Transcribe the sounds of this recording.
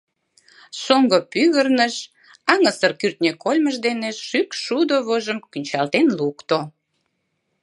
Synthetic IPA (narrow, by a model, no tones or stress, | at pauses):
soŋɡopyɣərnəʃ | ɑŋəsərkyrt̪nʲekolʲməʒd̪eneʃʃykʃud̪oβoʒəmkynʲt͡ɕɑlt̪enlukt̪o